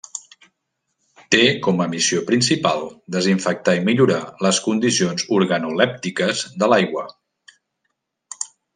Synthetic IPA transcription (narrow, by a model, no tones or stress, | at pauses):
t̪ekɔməmisiopɾinsipa̰lˠd̪əziɱfək̚t̪aimiʎuɾaləskund̪isionzuɾɣənulɛp̚t̪ikəzðəlajɣwə